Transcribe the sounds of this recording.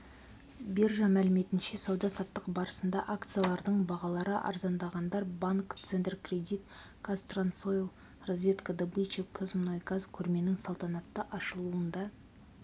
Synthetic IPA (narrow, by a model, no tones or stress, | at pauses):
beɾʒɑmælɪme̞t̪ɪnʃe̞sɑwd̪ɑsɑt̪ːəqbɑɾəsənd̪ɑʔakt̪sɨjalˠɑɾd̪əɴbɑʁɑlˠɑɾəʔɑ̰ɾzɑnd̪ɑʁɑnd̪ɑɾbaŋkt̪sent̪rkrʲe̞d̪ʲijt̪ | kʰast̪rant̪sojlˠ | rozvʲe̞t̪kəd̪əbɨt͡ʃekʰozmnojɡazkʲʰɵɾme̞nɪŋsɑlˠt̪ɑnɑt̪ːəʔɑʃəlˠuənd̪ɑ